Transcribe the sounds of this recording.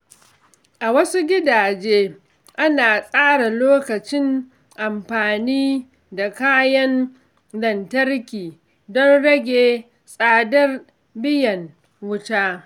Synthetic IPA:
ʔa˨wɐ˦su˦ɡʲɪ˦daː˨d͡ʒeː˦ | ʔa˦naː˨sʼaː˦ɽa˨loː˦kɐ˨t͡ʃɪ˦n | ʔa˨mɸaː˨niː˦ | da˨kaː˦jɐ˦n | lɐ˨ntɐ˦rkʲiː˨ | dɔ˦nɽɐ˦ɡʲeː˨ | sʼaː˨dɐ˦r | bɪ˦jɐ˨n | wʊ˦taː˦

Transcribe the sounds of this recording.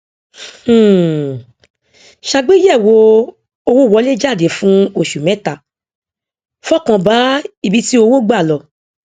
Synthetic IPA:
ʃa˧ɡ͡be˦jɛ˦˨wo˧ | o˧wo˦˨wɔ˧˦le˦d͡ʒa˦˨de˨˦fũ˦o˦˨ʃu˨mɛ̃˨˦ta˦˨ | fɔ˦˨kã˧˨ba˨˦i˦˨bi˨˧ti˦o˧wo˦ɡ͡ba˦˨lɔ˨

